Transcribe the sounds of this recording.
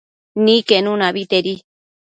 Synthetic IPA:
nĩkenũnaβit̪eɾi

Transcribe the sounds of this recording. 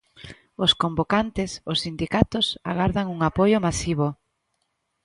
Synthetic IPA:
ʊskombokant̪ɪsʊsːind̪ikat̪ʊsa̰ɣaɾðaŋuŋapojʊmasiβ̞o

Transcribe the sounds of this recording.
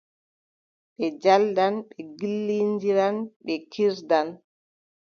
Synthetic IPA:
ɓɛd͡ʒaldanɓɛɡilːindiɾanɓɛkʰiɾdan

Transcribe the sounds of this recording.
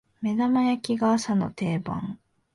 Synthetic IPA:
me̞namajakʲiɡaːsano̞̰t̪e̞ːbã̰ŋ

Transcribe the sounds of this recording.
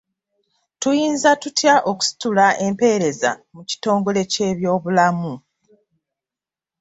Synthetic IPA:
tujiːnzatutjaʔo̞ku̥si̥tulaʔe̞mpe̞ːɾe̞za̰muci̥to̞ːŋɡo̞le̞ce̞ːβjo̞ːβulamu

